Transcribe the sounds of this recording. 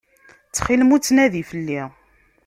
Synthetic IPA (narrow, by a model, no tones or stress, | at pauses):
t͡sːχilmut͡sːnæðifəlːi